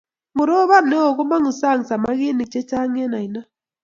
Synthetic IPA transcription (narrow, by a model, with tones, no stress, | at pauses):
mʊ˨ɾo˦βa˦˨mne˦o˨ɣu˦ma˦ŋu˨sa˦˨ŋ˨sa˨ma˦ɣi˦ni˨t͡ʃɛ˦t͡ʃa˦ŋɛ˦na˨i˨na˦